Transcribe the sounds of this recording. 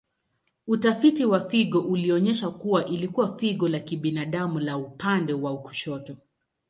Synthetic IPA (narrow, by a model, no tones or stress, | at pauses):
utafitiwafiɠɔʔuliɔɲɛʃakuwaʔilikuwafiɠɔlakiɓinaɗamulaupandɛwauku̥ʃɔtɔ